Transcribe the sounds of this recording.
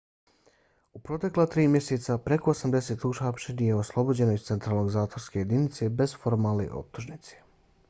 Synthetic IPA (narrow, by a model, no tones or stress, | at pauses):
upɾo̞t̪e̞klat̪ɾiːmje̞set̪sapɾe̞ko̞osamd̪e̞se̞t̪uʃapʃenijeoslˠo̞bo̞d͡ʑe̞noist̪se̞nt̪ɾaːlno̞ɡzaːt̪vo̞ɾske̞je̞d̪init̪se̞be̞zfo̞ɾmaːlˠnḛʔo̞̰p̚t̪uʒnit̪se̥